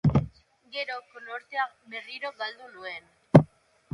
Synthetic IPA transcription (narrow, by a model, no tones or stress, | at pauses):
ɡe̞ɾokoloɾt̪eameriɾoɡald̪uluen